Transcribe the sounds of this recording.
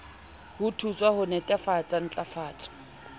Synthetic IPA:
hʊtʰut͡sʼwahʊnɛtʼɛfat͡sʼan̩t͡ɬʼafaːt͡sʼḁ

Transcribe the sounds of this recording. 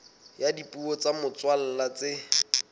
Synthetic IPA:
jadipʼuɔt͡samʊt͡swal̩lat͡se

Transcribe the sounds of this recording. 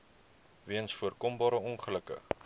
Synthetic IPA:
viənsfuərkɔmbɑːɾəɔnχələkə̰

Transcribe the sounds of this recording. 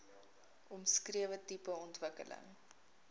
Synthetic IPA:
ɔmskriəvətipəɔntvəkə̰lə̰ŋ

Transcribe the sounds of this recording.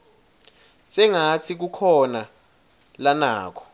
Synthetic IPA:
sɛŋat͡sʰik̬ukʰɔna | lana̰ːkʰɔ̥

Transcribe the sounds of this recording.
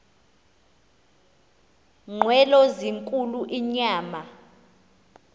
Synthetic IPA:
ŋ͡ǃwɛlɔziŋkʼuluʔiɲaːma

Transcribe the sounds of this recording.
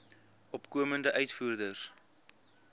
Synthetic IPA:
ɔpkuəməndəʔœɥtfuːrdəs

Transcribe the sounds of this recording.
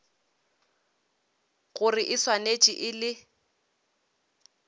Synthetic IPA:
ɣʊrɪʔɪswanet͡ʃʼiʔɪlɪ

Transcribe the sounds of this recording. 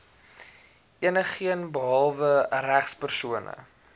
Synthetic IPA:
iənəχiənbəɦɐlˠvəræχspərsuənə̰

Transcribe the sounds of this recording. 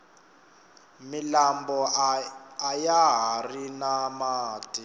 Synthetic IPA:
milambɔ | ajaɦarinamaːtʼi

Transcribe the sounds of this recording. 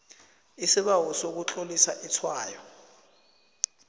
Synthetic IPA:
isiɓawɔsok̬ut͡ɬolisaʔɛt͡sʰwaːjɔ

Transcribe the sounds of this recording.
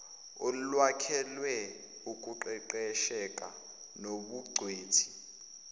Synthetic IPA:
olulwakʰɛlwɛ | ukʼuǃɛǃɛʃɛkʼa̰ | noɓuɡ͡ǀʱweːtʰi̥

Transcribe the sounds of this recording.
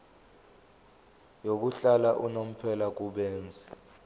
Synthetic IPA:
jok̬uɬalaʔunom̩pʰɛlak̬uɓɛːnd͡zʱɛ

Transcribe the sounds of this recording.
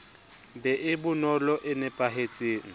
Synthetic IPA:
bɛʔɪbʊnɔlɔʔɪnɛpʼaɦet͡sʼeːŋ̩

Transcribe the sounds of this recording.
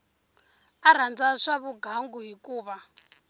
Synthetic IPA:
aɾ̤and͡zaʂaβuɡʱaŋɡuɦikuːβa

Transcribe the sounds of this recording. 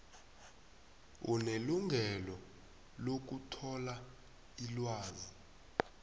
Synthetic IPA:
uneluŋɡʱɛlɔ | lok̬utʰɔla | ilwaːzi

